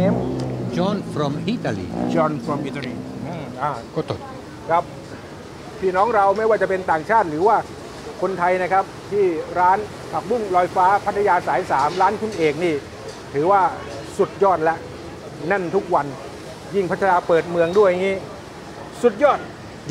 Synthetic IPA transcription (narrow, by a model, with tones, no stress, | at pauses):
t͡ɕɔː˧˦nfɾo˧mʔi˦˥t̪a˧lḭː˧˩t͡ɕɔː˧nfɾo˧mi˧t̪i˧˩ʔaː˧˩kɔ˥˩t̪ʰo˨˩t̪̚ | kʰa˦˥p̚ | p̪ʰiː˥˩nɔː˦˥ŋɾa˧wma˥˩jwaː˥˩t͡ɕa˨˩pe˧nt̪aː˨˩ŋt͡ɕʰaː˥˩t̪̚ɾɯː˩˦waː˥˩ | kʰo˧nt̪ʰa˧jna˦˥kʰa˦˥p̚t̪ʰiː˥˩ɾaː˦˥n | pʰa˨˩k̚bu˥˩ŋlɔː˧jfaː˦˥pʰa˦˥t̪̚ʰːa˧jaː˧saː˩˦jsaː˩˦mɾaː˦˥nkʰu˧nʔeː˨˩k̚niː˥˩ | t̪ʰɯː˩˦waː˥˩ | su˨˩t̪̚jɔː˥˩t̪̚lɛ˦˥ʔ | na˥˩nt̪ʰu˦˥k̚wa˧n | ji˥˩ŋpʰa˦˥t̪ʰa˧naː˧pɤː˨˩t̪̚mɯ˧əŋdu˥˩əjŋiː˦˥ | su˨˩t̪̚jɔː˥˩t̪̚